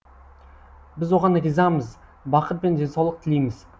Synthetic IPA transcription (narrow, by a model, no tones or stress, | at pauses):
bɪzwo̞ʁɑnʁizɑməz | bɑqət̪̚bend͡ʒe̞nsɑwlˠəq̚t̪ʰɪlejmɪz̥